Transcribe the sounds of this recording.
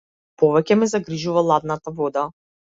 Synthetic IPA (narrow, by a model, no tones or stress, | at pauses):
pɔvɛcɛmɛzaɡɾiʒuvalˠad̪nat̪avɔd̪a